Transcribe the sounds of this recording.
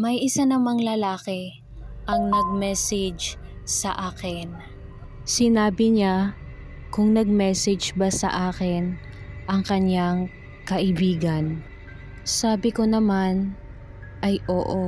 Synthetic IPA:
mɐjʔɪsanɐmaŋlɐlaːkɛ | ʔɐŋnɐɡ̚mɛsɪd͡ʒ | sɐʔaːkɪn | sɪnaːbɪɲa | kʊŋnɐɡ̚mɛsɪd͡ʒbɐsɐ̰ʔaːkɪn | ʔɐŋkɐɲaŋ | kɐʔɪbiːɡɐn | saːbɪkonɐman | ʔɐjʔoːʔo

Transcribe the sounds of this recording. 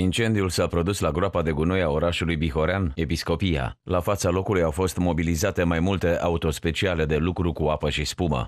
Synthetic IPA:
int͡ʃe̞nd̪iulsapɾo̞d̪uslaɡɾoapad̪e̞ɡunojao̞ɾaʃulujbixo̞ɾeane̞pisko̞pija̰lafat̪salo̞kulujawfo̞st̪mo̞bilizat̪e̞majmult̪e̞ʔaut̪o̞spe̞t͡ʃiale̞d̪e̞lukɾukuapəʃispumə̰

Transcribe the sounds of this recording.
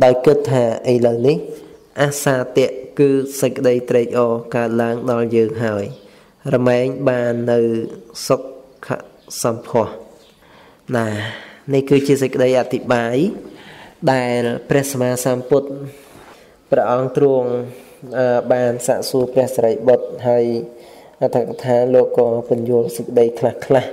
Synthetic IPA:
ɗaɔjkɨt̪ʰːaːʔəjləwnih | ʔasaːt̪ɛ̆əʔkɨːsəc̚kə̆ɗəjt̪rɛːk̚ʔɑːkaət̪̚laəŋɗɑljəːŋɦaəj | rɑmɛːŋɓaːnːɨwsok̚ʰːa̰ʔ | sɑmpʰŏəh | ɗaːnihkɨːt͡ɕiəsəc̚kːə̆ɗəjʔat̪ʰːiɓaːj | ɗaɛlprɛ̆əhsamaːsamput̪̚ | prɛ̆əʔɑŋt̪ruəŋ | əɓaːnsaːʔsuəprɛ̆əhsaɾəjɓot̪̚ɦaəj | ʔat̪ʰakat̪ʰaːloːkːɑːpʊ̆ənjuəlsəc̚kəɗəjkʰlahkʰlah

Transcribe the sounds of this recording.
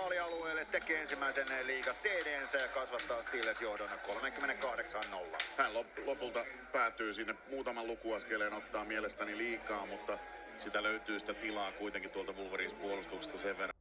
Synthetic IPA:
ɑliɑlueːlːet̪t̪ːekːˑeːensimːæisenːeliːkɑt̪t̪eːdeːnsæjɑkɑsʋɑt̪ːɑːst̪ilːesjohdonːɑkkolmeŋkymːeneŋkɑhɾeksɑːnnolːɑ̰hænloplopult̪ɑpæːt̪ːˑyːsinːepmuːt̪ɑmɑllukuɑskeleːnot̪ːɑːmielest̪æniliːkˑɑːmut̪ːɑ | sit̪æløyt̪yːsi̥t̪æt̪ilɑːkuit̪eŋkit̪t̪uolt̪ɑʋulʋoriːspuolust̪ukse̥st̪ɑseʋʋerɑ

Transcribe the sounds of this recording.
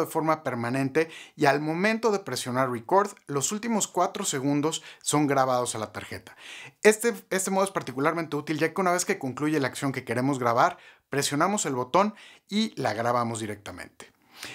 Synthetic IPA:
ðefo̞ɾmape̞ɾmãnẽ̞nt̪e̞ialmõ̞mẽnt̪o̞ðe̞pɾe̞sjo̞naɾreko̞ɾðlo̞sult̪imo̞skwat̪ɾo̞se̞ɣ̞ũnd̪o̞sːo̞ŋɡɾaβ̞að̞o̞salat̪aɾxe̞̰t̪ḁest̪eest̪emoespaɾt̪ikulaɾmẽnt̪e̞ut̪ilʝake̞unaβe̞ske̞ko̞ŋkluʝelaːksjo̞ŋke̞ke̞ɾe̞mo̞zɣɾaβaɾpɾe̞sjo̞namo̞se̞lβo̞t̪o̞nilaɣɾaβamo̞zðiɾe̞k̚t̪amḛ̃nt̪e̥

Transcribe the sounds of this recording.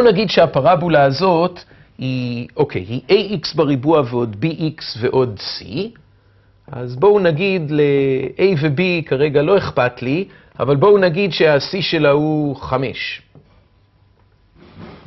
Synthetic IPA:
bounaɡid̪ʃeapaʁabulaːzo̞t̪ | hiʔo̞kʰe̞̰jhiʔejʔiksbaʁibuaveo̞d̪biʔiksve̞ʔo̞d̪sḭ | ʔa̰zbo̞unaɡid̪le̞ʔejvebikaʁe̞ɡalo̞e̞χpatli | a̰valbo̞unaɡidʃe̞asiʃe̞lahuχame̞̰ʃ

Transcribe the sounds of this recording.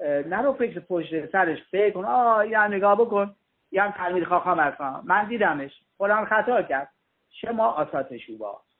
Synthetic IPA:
næɾofekɾepʰoʃt̪esæɾeʃfeɾkonɑːiːhæmneɡɒːhbokon | ihæmt̪ʰæɾmiːd̪xɒːxɒːmæskɑmænd̪iːd̪æmeʃ | pʰolæːnxæt̪ʰɒːcʰæɾd̪̥̚ | ʃemɒːʔɒːsɒːt̪ʰeʃuːbɒ̰ː

